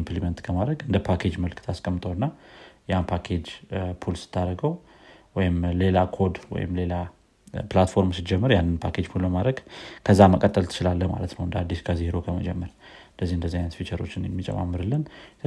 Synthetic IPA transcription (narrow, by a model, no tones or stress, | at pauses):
mplimənt̪kʰəmad̪ɾəɡɨnd̪əpʰakʰe̞d͡ʒməlkt̪ʰaskʼəmːɨt̪ʼəwɨnːajanpʰakʰe̞d͡ʒpʰulsɨ̥t̪ʰːaɾəɡəw | wɔjɪmle̞lakʰo̞d̪wɔ̰jɪ̰mle̞la | plat̪fo̞ɾmsɨd͡ʒɛmːɨɾjanːɨnpʰakʰe̞d͡ʒpʰulləmad̪ɾəɡkʰəzːaməkʼət̪ʼːəlt̪ʰɨ̥t͡ʃɪlalːəhma̰lət̪nəwɨnd̪əad̪ːiskʰəzeɾo̞kʰəməd͡ʒɛmːəɾɨnd̪əzːihɨnd̪əzːihanət̪fit͡ʃəɾo̞̰t͡ʃːɪnjɛmːit͡ʃʼə̰ma̰mːɨɾɨlːɨn